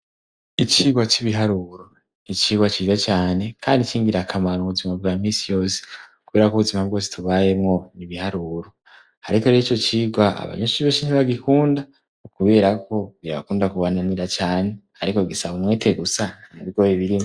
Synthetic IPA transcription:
it͡ʃiːɡwat͡ʃiβiɦaɾuɾo | it͡ʃiːɡwat͡ʃizat͡ʃaːne̞kʰaːndit͡ʃiːŋɡiɾakʰamaɾoβuzimabɡaːmiːsijo̞ːsi̥uku̥ɡweɾakuβuzimabɡo̞ːs̬i̥tuβaje̞mŋo̞niβihaɾuːɾo | aɾikoiit͡ʃo̞t͡ʃiːɡwaʔa̰βa̰ɲoʃiβeːsiniβaɡikuːnda | ukuβe̞ːɾako̞ɡiɾaβakuːndakuβananiɾat͡ʃaːne̞ | aɾiko̞ɡisaβumwe̞ːtʰe̞ɡusanaβiɡoːjiβiɾim

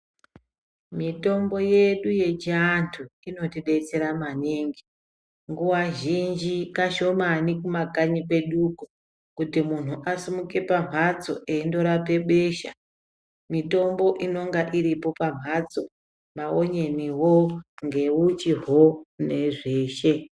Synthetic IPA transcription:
mito̞mbo̞je̞ɗuje̞t͡ʃiantʰuino̞tiɗe̞t͡se̞ɾamaneːŋɡi | ŋɡuwaʒind͡ʒikaʃo̞manikumaɡʱaɲipe̞ɗuku | kutimun̤uʔasimuke̞pam̤at͡so̞̰ʔeindo̞ɾape̞ɓeʃa̰ | mito̞mbo̞ʔino̞ŋɡaʔiɾipo̞pam̤ʱat͡so̞ | maoɲe̞niwo̞ŋɡe̞ut͡ʃiɦone̞ʐeːʃe̞

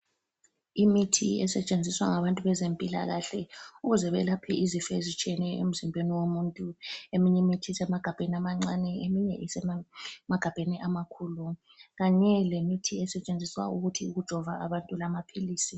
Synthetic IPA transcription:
imitʰḭɛ̰sɛt͡ʃʼend͡zʱiswa̰ŋaβantʼuβɛzempʼila̰ɣaɬɛuɣuzɛβɛlapʰɛʔizifɛzit͡ʃʼiɛnɛḛm̩zimbʱeniwomuntʼuemiɲimitʰisɛmaɡ̥ʱab̥ʱeniamaŋ͡ǀanɛemiɲɛ̰ʔisɛmaɡ̥ʱab̥ʱeniʔamakʰuːlu | ɣaɲɛlemitʰiɛsɛt͡ʃʼend͡zʱiswa̰uɣutʰiuɣud̥ʒ̥ʱɔvaaβantʼulamapʰiliːsi

